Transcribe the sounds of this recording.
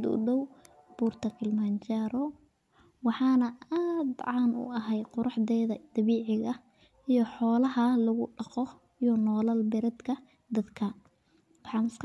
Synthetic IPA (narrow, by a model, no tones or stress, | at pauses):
d̪ʊ̰dɔw | b̥uːrt̪ʰɐkʰɪlmant͡ʃaːɾɔ | wɑħɑːnɐaːd̪ʕɑːnʊ̰ʔɐɦɛjqʊɾɑħd̪ɛːðɐd̪̥ɐβiːʕɪɣɐ | ijɞħɔːlɐɦɐlʊɣʊɖɑqɔ | ijɔnɔːlɐlbɪɾɐd̪kʰɐ | d̪ɐd̪kʰɐ | wɑħɑːnɪsk